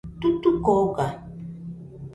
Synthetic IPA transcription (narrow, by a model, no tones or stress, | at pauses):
t̪ut̪ukoka